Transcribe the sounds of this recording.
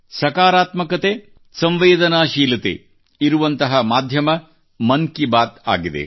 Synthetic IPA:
sɐkaːɾaːt̪mɐkɐt̪eː | sɐ̃mʋeːd̪ɐnaːʃiːlɐt̪ḛ | iɾuʋɐnt̪ɐɦɐmaːd̪ʱjɐmɐ | mɐŋkibaːt̪a̰ːɡid̪ḛ

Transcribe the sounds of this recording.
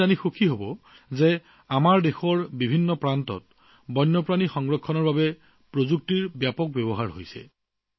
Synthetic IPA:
anixokʰiɦobɔ | ze | amaɹdexɔɹbibʱinːɔpɹantɔ̰t̚ | bɔjnːɔpɹanixɔŋɡɹɔkʰːɔnɔɹbabɛ | pɹozuk̚tiɹbjapɔk̚bɛbɔɦaɹɦo̰jsɛ̰

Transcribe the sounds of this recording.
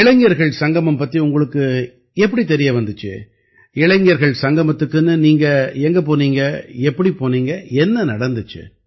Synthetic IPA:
ɪɭɐŋɡɪjɐɾɣɐɭsɐŋɡɐmɐmpɐt̪ːiʊŋɡɐɭɯkːɯ | ɛpːɐɽit̪ɛɾɪjɐʋɐnd̪ɯt͡ʃːɯ̰ | ɪɭɐŋɡɪjɐɾɣɐɭsɐŋɡɐmɐt̪ːɯkːɯnːɯniːŋɡɐɛŋɡɐp̬oːniːŋɡɐɛpːɐɽipoːniːŋɡɐɛnːɐnɐɽɐnd̪ɯt͡ʃːɯ̰

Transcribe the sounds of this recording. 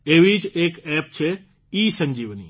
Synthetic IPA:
eːʋid͡ʒeːkɛːp̚t͡ʃʰe | iːsɐ̃ɲd͡ʒiːʋnḭː

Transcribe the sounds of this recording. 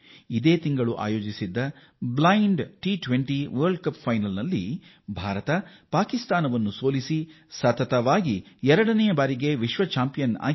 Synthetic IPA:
id̪eːt̪iŋɡɐɭuʔa̰ːjo̞ːd͡ʒisid̪ːɐ | blɐjɳɖʈiʈʋeɳʈiʋɐːɾɖkɐppʰɐjnɐlnɐlːḭ | bʱaːɾɐt̪ɐpaːkist̪aːnɐʋɐnːuso̞ːlisi | sɐt̪ɐt̪ɐʋaːɡiɛɾɐɽɐnɛjɐbaːɾiɡe̞ʋiʃʋɐt͡ʃaːmpijɐna̰ː

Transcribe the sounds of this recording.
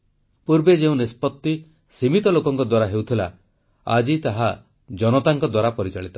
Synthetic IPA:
puɾbed͡ʒeũnispɔt̪ːi | simit̪ɔlokɔŋkɔd̪waɾaɦewt̪ʰila̰ | a̰d͡ʒit̪aɦa | d͡ʒɔnɔt̪aŋkɔd̪waɾapɔɾit͡ʃaɭit̪ḁ

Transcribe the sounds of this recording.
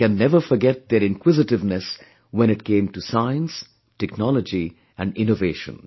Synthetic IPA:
kæ̃nːɛʋəɾfɔɾɡɛt̚d̪eɾɪ̃nkwɪzɪʈɪʋnɛs | wɛ̃ñɪʈ̚kẽːmʈusaɪə̃ns | ʈɛknɔlɔd͡ʒi | ʔæ̃ɳɖɪ̃noveːʃə̰̃n

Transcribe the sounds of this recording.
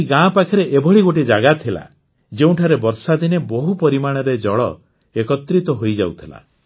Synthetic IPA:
iɡãːpakʰiɾeʔebʱɔɭiɡoʈ̬id͡ʒaɡat̪ʰila̰ | d͡ʒeũʈʰaɾebɔɾsad̪inebɔɦupɔɾimaɽ̃ɔɾed͡ʒɔɭɔ | ekɔt̪ɾit̪ɔɦojd͡ʒa̰wt̪ʰila̰

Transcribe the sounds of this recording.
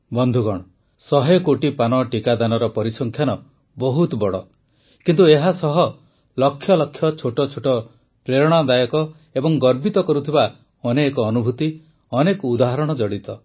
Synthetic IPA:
bɔnd̪ʱuɡɔɽ̃ɔ | sɔɦekoʈipanɔʈikad̪anɔɾɔpɔɾisɔŋkʰjanɔ | bɔɦut̪bɔɽɔ̰ | kint̪ueɦasɔɦɔ | lɔkʰːjɔlɔkʰːjɔt͡ʃʰoʈɔt͡ʃʰoʈɔ | pɾeɾɔɽ̃ad̪ajɔkɔ | ebɔŋɡɔɾbit̪ɔkɔɾut̪ʰiba | ɔnekɔːnubʱut̪i | ɔnekud̪aɦɔɾɔɽ̃ɔd͡ʒɔɽit̪ɔ

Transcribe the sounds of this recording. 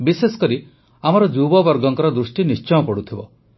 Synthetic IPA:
bisesɔ̥kɔɾi | amɔɾɔd͡ʒubɔbɔɾɡɔŋkɔɾɔd̪ɾusʈinist͡ʃɔjɔpɔɽut̪ʰibɔ

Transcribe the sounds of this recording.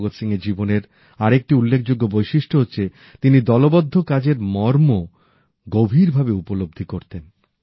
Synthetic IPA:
ɡot̪ʃiŋɡeɾd͡ʑiboneɾ | aɾek̚ʈiulːekʰd͡ʑoɡːobojʃiʃʈoɦotːɕʰe | t̪inid̪ɔlobɔd̪ʱːokad͡ʑeɾmɔɾmo | ɡobʱiɾbʱabeupolob̚d̪ʱikoɾt̪en

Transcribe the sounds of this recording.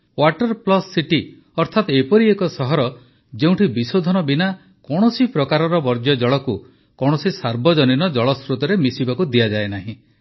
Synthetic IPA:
waʈɔɾplɔsːiʈi | ɔɾt̪ʰat̪ɔepɔɾiekɔsɔɦɔɾɔ | d͡ʒeũʈʰibisod̪ʱɔnɔbina | kɔɽ̃ɔsipɾɔkaɾɔɾɔbɔɾd͡ʒjɔd͡ʒɔɭɔku | kɔɽ̃ɔsisaɾbʱɔd͡ʒɔninɔd͡ʒɔɭɔsɾut̪ɔɾemisibakud̪ijad͡ʒaenaɦĩ

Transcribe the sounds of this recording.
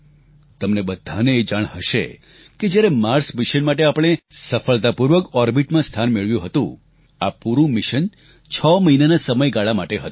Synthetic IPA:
t̪əmnebəd̪ʱːaneːd͡ʒaɽ̃həʃḛ | ked͡ʒjaɾemaɾsmiʃənmaʈ̬eapəɽ̃esəfəɭt̪apuɾʋəkɔɾbiʈmãst̪ʰanmeɭʋjũɦət̪ṵ̃ | apuɾũmiʃən | t͡ʃʰɔməɦinanasəməjɡaɭamaʈeɦə̰t̪

